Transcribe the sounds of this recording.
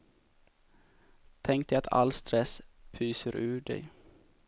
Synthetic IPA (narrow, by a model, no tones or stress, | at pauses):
t̪ʰɛŋk̚t̪at̪ʰa̰lst̪ɾɛspʰyːsəɾʔʉ̟ːɖɛ̰j